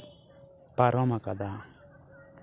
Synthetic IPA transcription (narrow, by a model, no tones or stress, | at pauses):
paɾɔmakad̪a